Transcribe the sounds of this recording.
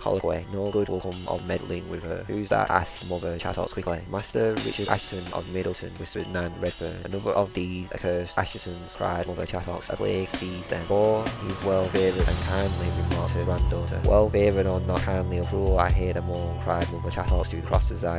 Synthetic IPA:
kʰhɑ̰lˠəɡwḛɪnoʊɡʊd̚wɪlˠkʰʊ̃mə̰vmɛdl̩ˠɪ̃ŋwɪð̥ə̰hʉzðə̰ʔʔa̰smʊðət͡ʃʰa̰tɔ̰kskw̥ɪkʰlimʔastəɹɪ̰t͡ʃədʔa̰ʃtə̃nə̰vmɪɾl̩ˠtʰə̰̃nwɪsɨnãnɹɛdfə̰̃nə̰nʊ̃ðə˞ʔəvðizə̰kʰɜːstaʃtəsə̃nskɹa̰ɪmʊðə̰˞t͡ʃʰaɾɔksə̰blḛkizðə̃bɔːhiɪzwɛlˠfeɪvɹətə̰̃nkʰãɪ̃nˡliwɪmɑɹt̚həɡɹãndɔˑtə̰wʔɛlˠfeɪvɹəɾənːəʔ̚kʰãɪ̃ndˡliəpʰɹ̥uvl̩ˠa̰ɪɦiəɾəmɔːkʰɹ̥a̰ɪd̚mʊðə˞t͡ʃʰatɔkstʰʉkʰɹ̥ɔ̰səzaɪ

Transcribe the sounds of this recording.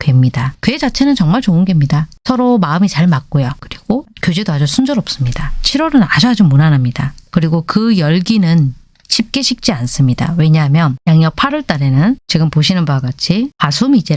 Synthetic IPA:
twe̞mɲidakɯe̞t͡ɕat͡ɕʰe̞nɯnt͡ɕʌŋmaɭt͡ɕoɯnɡe̞mɲidasʰʌɾomaɯmit͡ɕaɭmak̚k͈ojokɯɾiɡ̥okjod͡ʑedoɦad͡ʑusʰund͡ʑʌɾʌp̚s͈ɯmɲidat͡ɕʰiɾoɾɯnaɕʰʌad͡ʑomunanamɲidakɯɾiɡokɯjʌɭɡinɯn | ɕʰip̚k͈e̞ɕʰik̚t͡ɕ͈ians͈ɯmɲida̰we̞ɲaɦmjʌnjaŋɲʌpʰaɾʌɭt͈aɾenɯnt͡ɕiɡɯmpoɕʰinɯnbaɡat͡ɕʰipasʰumid͡ʑe

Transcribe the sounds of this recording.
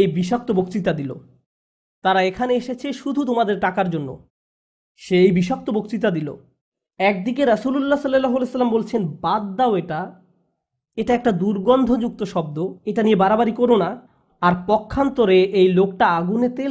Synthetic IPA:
ejbiʃak̚t̪obok̚t͡ɕit̪ad̪ilo̰ | t̪aɾaekʰaneeʃet͡ɕʰeʃud̪ʱut̪̬omad̪eɾʈakaɾd͡ʑonːo̰ | ʃejbiʃak̚t̪obokt͡ɕit̪ad̪ilo̰ | ɛk̚d̪ikeɾʌsululːasɔlːelaɦolesəlːambolt͡ɕʰenbad̪ːaoeʈa | eʈaɛk̚ʈad̪uɾɡɔnd̪ʱod͡ʑuk̚t̪oʃɔb̚d̪oeʈanijebaɾabaɾikoɾona | aɾpɔkʰːant̪oɾeʔejlok̚ʈaaɡunet̪e

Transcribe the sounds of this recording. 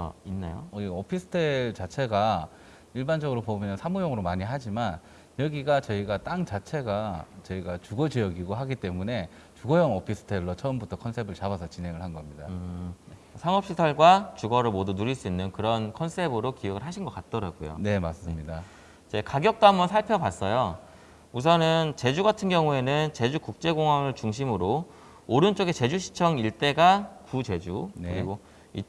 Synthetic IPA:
inːajoiʌpʰisʰɯ̥tʰet͡ɕat͡ɕʰe̞ɡa | iɭband͡ʑʌɡɯɾopomjʌnɯnsʰamujʌŋɯɾomaɲiɦad͡ʑiman | jʌɡiɡat͡ɕʌiɡat͈aŋt͡ɕat͡ɕʰe̞ɡat͡ɕʌiɡat͡ɕuɡʌd͡ʑijʌɡiɡoɦaɡit͈e̞mune̞ | t͡ɕuɡojʌŋʌpʰisʰɯ̥tʰeɭːot͡ɕʰʌmbutʰʌkʰʌnsʰe̞bɯɭt͡ɕabasʰʌt͡ɕinɦe̞ŋɯɭɦanɡʌmɲida̰esʰaŋʌp̚ɕ͈ʰisʰʌɭɡwat͡ɕuɡʌɾɯɭmodunuɾiɭs͈uinːɯnkɯɾʌnkʰʌnsʰe̞bɯɾokiweɡɯɭɦaɕʰinɡʌk͈at̚t͈ʌɾa̰ɡujo̰ne̞mas͈ɯmɲida | id͡ʑe̞kaɡjʌk̚t͈oɦambʌnsʰaɭpʰjʌpas͈ʌjo | us̬ʰʌnɯnt͡ɕe̞d͡ʑuɡatʰɯnɡjʌŋue̞nɯnt͡ɕe̞d͡ʑukuk̚t͡ɕ͈e̞ɡoŋɦwaŋɯɭt͡ɕuŋɕ̬ʰimɯɾo | oɾɯnt͡ɕ͈oɡe̞t͡ɕe̞d͡ʑuɕʰi̥t͡ɕʰʌŋiɭt͈e̞ɡakut͡ɕe̞d͡ʑunkɯɾiɡo | i

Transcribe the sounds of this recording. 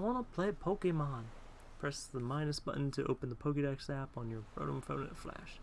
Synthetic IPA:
wɑ̃nəpʰl̥eɪɨt̚pʰoʊkɪ̃mɑ̃n | pʰɹ̥ɛsðəmãɪ̃nɨsb̥ʌ̰ʔn̩tʰɨʔo̰ʊpn̩ðəpʰoʊkɨɾɛksæpn̩jə˞fõ̰ʊñɱfõʊ̃nɨ̰tflæ̰ʃ

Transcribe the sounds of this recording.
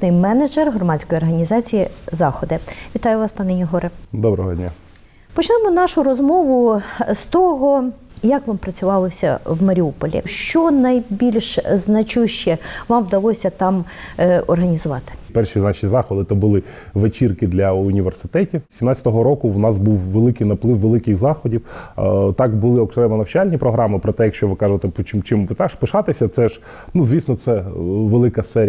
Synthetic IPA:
nɪjmɛnɐd͡ʒerɦrɔmɑt͡sʲkɔjiɔrɦɐnʲizɑt͡sʲijizɑxɔd̪ɪʋʲit̪ɑjʊʋɑspɑnɛjɪɦɔɾɪd̪ɔbɾɐɦɔdʲnʲa | pɔt͡ʃnɛmɔnɑʃʊɾɔzmɔʋʊst̪ɔɦɔ | jɐkʋɑmpɾɐt͡sʲʊʋɑlˠɔsʲɐ̰wmɐɾʲiupɔlʲḭʃt͡ʃɔnɐjbʲilʲʃznɐt͡ʃuʃt͡ʃɛʋɑmʋd̪ɐlˠɔsʲɐt̪ɑm | ɔrɦɐnʲizʊʋɑt̪ɪ̥pɛrʃiznɑt͡ʃnʲizɑxɔd̪ˠɪt̪ɔbʊlˠɪʋet͡ʃirkɪd̪lʲɐʊnʲiʋersɪ̥t̪ɛtʲiwʲsʲimnɑtʲt͡sʲɐt̪ɔɦɔɾɔkʊwnɑsbuwʋelˠɪkɪjnɐplˠɪwːelˠɪkɪxzɑxɔdʲiwt̪ɑkbʊlˠɪɔksɛmɐnɐwt͡ʃɑlʲnʲipɾɔɦɾɑmɪpɾɔt̪ɛjɐkʃt͡ʃɔʋɪkɑʒɪt̪ɛpt͡ʃɪmt͡ʃɪmt̪ɑkʂpɪʃɑt̪ɪsʲɐt̪sɛʒ | nuzʲʋʲisnɔt̪sɛʋelˠɪkɐsɛɾʲ

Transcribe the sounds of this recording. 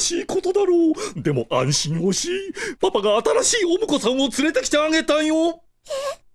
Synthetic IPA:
ɕiːko̞t̪o̞d̪aɾoːd̪e̞mo̞ʔã̰ɰ̃ɕĩɰ̃hoɕiːpapaɡaːt̪aɾaɕiːomɯ̟ko̞sãɰ̃o̞t͡sɨɾe̞t̪e̞kʲi̥t̪eaɡe̞t̪ãɰ̃jo

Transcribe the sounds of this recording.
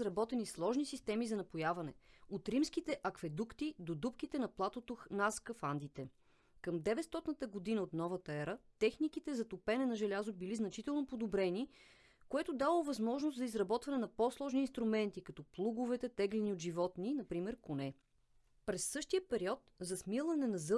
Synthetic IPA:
ɾɐbɔt̪ɛnislˠɔʒnisist̪ɛmizɐnɐpojavɐnɛot̪ɾimskit̪ɛʔɐkvɛd̪ukt̪id̪od̪upk̟it̪ɛnɐplˠat̪ot̪uxnaskəfand̪it̪ɛ | kəmd̪ɛvɛt̪st̪ɔt̪nət̪əɡod̪inəot̪nɔvət̪əɛɾət̪ɛxnikit̪ɛzɐt̪opɛnɛnɐʒɛlʲjazobiliznɐt͡ʃit̪ɛlˠnopod̪obɾɛni | koɛt̪ʊd̪alˠovɐzmɔʒnost̪zɐizɾɐbɔt̪vɐnɛnɐpɔslˠɔʒniːnst̪ɾumɛnt̪ikɐt̪ɔplˠuɡʊvɛt̪ɛt̪ɛɡlɛniot̪ʒivɔt̪ninɐpɾimɛɾkonɛ | pɾɛsːɤʃt̪ijəpɛɾiɔt̪zɐsmilˠvɐnɛnɐzɤ

